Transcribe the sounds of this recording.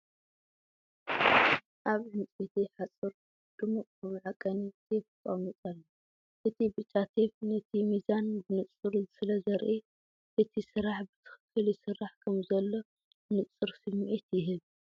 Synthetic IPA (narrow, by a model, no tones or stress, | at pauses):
ʔaβʕɨnt͡sʼet̪ʰiħat͡sʼɨɾ | d̪̥ɨmukʼɨmɨʕakʼːɐnit̪ʰefkʼomit̪ʼalːɐ | ʔɨt̪ʰibɨt͡ʃʼːat̪ʰeβnɐt̪ʰimizanbɨnɨt͡sʼːɨɾzɨsɨlɐzɐɾʔi | ʔɨt̪ʰisɨɾaħbɨt̪ʰɨ̥xɨ̥kʰːɨljɪsɨɾaħkʰɐmzɐlːo̞ | nɨt͡sʼɨɾsɨmːʔit̪jɪɦɨβ